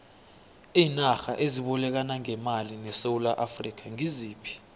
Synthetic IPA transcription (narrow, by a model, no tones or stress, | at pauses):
iːnaxa̰ʔeziɓɔlɛk̬anaŋɛmalinɛsowulaʔafrik̬aŋiziːpʰi̥